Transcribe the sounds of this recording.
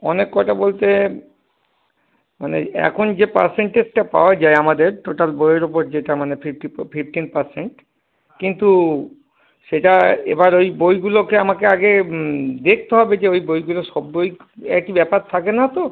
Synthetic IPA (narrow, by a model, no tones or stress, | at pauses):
ɔnekːɔʈabolt̪e | manḛɛ̰kʰond͡ʑepa̰ɾseɳʈeʈapa̰oad͡ʑaeamad̪eɾʈoʈalbojeɾopoɾd͡ʑeʈamanepʰipʈipʰipʈinpaɾseɳʈ | kint̪u | ʃeʈaḛbaɾojbojɡulokeamakeaɡed̪ek̚ʰt̪eɦɔbed͡ʑeojbojɡuloʃɔbːojk | ɛkibɛpaɾt̪ʰakenat̪o